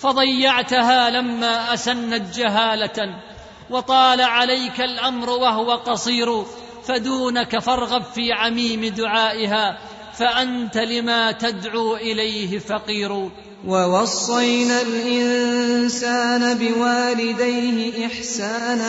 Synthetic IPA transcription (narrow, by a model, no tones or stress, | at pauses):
fɑd̪ˤɑjːɑʕt̪ʊɦaːlamːaːʔasanːat̪̚d͡ʒaɦaːla | wɑt̪ˤɑːlaʕalajkalʔamɾwaɦʊwaqɑsˤiːɾu | fad̪uːnakafɑɾˤɣabfiːʕamiːmɪd̪ʊʕaːʔɪɦaː | faʔant̪alɪmaːt̪ad̪ʕuːʔɪlajɦɪfɑqiːɾuː | wɑwɑsˤːɑjnalʔɪnsaːnabɪwaːlɪd̪ajhɪʔɪħsaːn